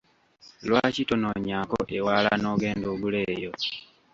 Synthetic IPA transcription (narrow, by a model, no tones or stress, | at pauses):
lwaːcito̞noɲakoʔewaːla̰no̞ːɡe̞ːndoɡule̞ːjo̞